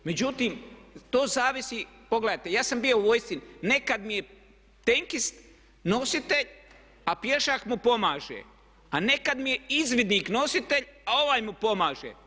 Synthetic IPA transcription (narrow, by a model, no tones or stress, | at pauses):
me̞d͡ʑut̪iːmt̪oːzaːʋisipo̞ɡled̪at̪e̞jaːsambijo̞uʋo̞jst̪inne̞kad̪mije̞ | t̪e̞ŋkist̪ | no̞sit̪e̞ʎ | apje̞ʃakmupo̞maːʒḛ | ane̞kad̪mije̞izʋid̪nikno̞sit̪e̞ʎao̞ʋaːjmupo̞maːʒḛ